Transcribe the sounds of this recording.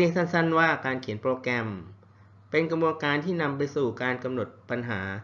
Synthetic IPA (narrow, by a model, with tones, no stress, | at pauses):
i˧˥˧ŋsa˥˩nsa˥˩nwaː˥˩kaː˧nkʰi˩˦ənpɾoː˧kɛ˧m | pe˧nkɾa˧bu˧ənkaː˧nt̪ʰiː˥˩na˧mpa˧jsuː˨˩kaː˧nka˧mno˨˩t̪̚pa˧nɦaː˩˦